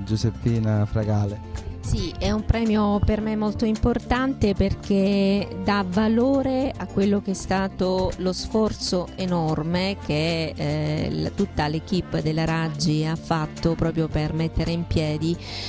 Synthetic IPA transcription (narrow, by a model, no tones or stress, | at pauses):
d͡ʒusepːiːnafɾaɡaːlesiɛumpɾɛːmjopermemːolt̪oimport̪ant̪eperked̪avaloːɾeakːwelːok̟eɛst̪aːt̪olosfɔrt̪soenɔrmek̟e | l̰t̪ut̪ːalek̟ipːd̪elːaɾad͡ʒːiafːat̪ːopɾɔːpɾjopermet̪ːeɾeimpjɛːd̪i